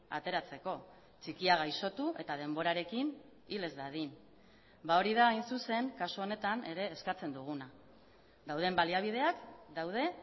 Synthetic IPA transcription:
a̰t̪e̞ɾat͡se̞ko̞ | t͡ʃikiaɣ̞ajso̞t̪uʔe̞t̪að̞e̞mbo̞ɾaɾe̞kin | ile̞zðaðin | bao̞ɾið̞aːjnsuse̞ŋkasuo̞ne̞t̪ane̞ɾe̞ːskat͡se̞nd̪uɣ̞una | d̪awð̞e̞mbaliaβ̞ið̞e̞akd̪awð̞e̞

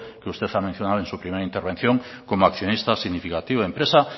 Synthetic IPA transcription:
keust̪eθamẽn̟θjonaðoe̞nsupɾimeɾaint̪eɾβ̞e̞n̟θjõŋ | komoakθjonist̪asiɣnifikat̪iβoempɾesa

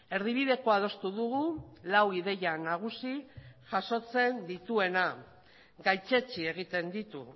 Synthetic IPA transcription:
e̞ɾðiβ̞iðe̞ko̞að̞o̞st̪uðuɣulawið̞e̞janaɣ̞usiʝaso̞t͡se̞nd̪it̪ue̞na | ɡajt͡ʃe̞t͡ʃie̞ɣ̞it̪e̞nd̪it̪u

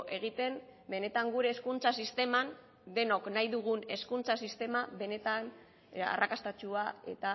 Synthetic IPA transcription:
ʔe̞ɣ̞it̪e̞mbe̞ne̞t̪aŋɡuɾe̞ːskunt͡sasist̪e̞man | d̪e̞no̞knajðuɣ̞une̞skunt͡sasist̪e̞maβe̞ne̞t̪an | a̰rʔakast̪at͡ʃuae̞̰t̪a

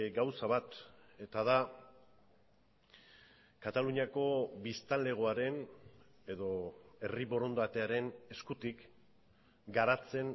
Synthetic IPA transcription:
ɡawsaβat̪e̞t̪aða | kat̪aluɲako̞βist̪anle̞ɣ̞o̞aɾe̞n | e̞ðo̞e̞riβo̞ɾo̞nd̪at̪e̞aɾe̞ne̞skut̪ik | ɡaɾat͡se̞n

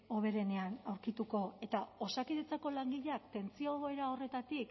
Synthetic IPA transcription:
o̞β̞e̞ɾe̞ne̞anawɾkit̪uko̞e̞t̪ao̞sakiðet͡sako̞laŋɡiʎeakt̪e̞nt͡sio̞eɾao̞re̞t̪at̪ik

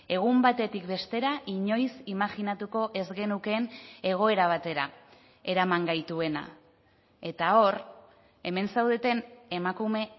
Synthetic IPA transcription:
e̞ɣ̞umbat̪e̞t̪ikbe̞st̪e̞ɾaʔiɲo̞jsimaxinat̪uko̞ʔe̞zɣe̞nuke̞ne̞ɣ̞o̞e̞ɾaβ̞at̪e̞ɾa | e̞ɾamaŋɡajt̪ue̞na̰ | e̞t̪ao̞r | e̞me̞nsawðe̞t̪e̞nemakume̞

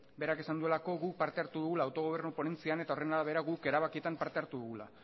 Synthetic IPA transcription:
be̞ɾake̞sand̪ue̞lako̞ɣuk̚paɾt̪e̞aɾt̪uðuɣulaːwt̪o̞ɣ̞o̞β̞e̞ɾnupo̞ne̞nt͡siane̞t̪ao̞re̞naðaβ̞e̞ɾaɣuke̞ɾaβakie̞t̪ampaɾt̪eaɾt̪uðuɣula̰

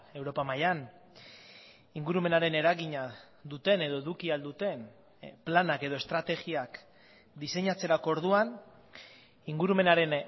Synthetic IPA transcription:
e̞wɾo̞pamajan | iŋɡuɾume̞naɾe̞ne̞ɾaɣiɲa | d̪ut̪e̞ne̞ðo̞eðukiald̪ut̪e̞n | planake̞ð̞o̞e̞st̪ɾat̪e̞ɣiak | d̪ise̞ɲat͡se̞ɾako̞oɾð̞uan | iŋɡuɾume̞naɾe̞n

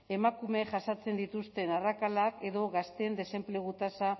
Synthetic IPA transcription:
e̞makume̞ʝasat͡se̞nd̪it̪ust̪e̞narakalake̞ðo̞ɣast̪e̞nd̪e̞se̞mpleɣ̞ut̪asa

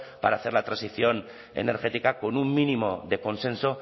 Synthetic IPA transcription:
pa̰ɾaːθe̞ɾlat̪ɾãnsiθjo̞n | ḛne̞ɾxe̞t̪ikako̞numminimo̞ðe̞ko̞nsẽ̞nso

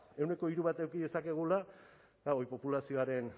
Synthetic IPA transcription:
e̞wne̞ko̞iɾuβat̪ewkiðe̞sakeɣ̞ula | baojpo̞pulasio̞aɾe̞n

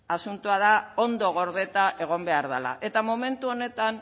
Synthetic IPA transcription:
asunt̪uað̞ao̞nd̪o̞ɣ̞o̞ɾð̞e̞t̪aʔe̞ɣ̞o̞mbe̞aɾðala̰ʔe̞t̪amome̞nt̪uo̞ne̞t̪an

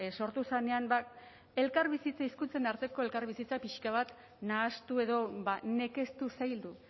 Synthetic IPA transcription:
so̞ɾt̪usane̞anba | e̞lkaɾβisit͡saiskunt͡se̞naɾt̪e̞ko̞e̞lkaɾβ̞isit͡sapiʃkaβ̞at̪ | naːst̪ue̞ðo̞βane̞ke̞st̪usajld̪u

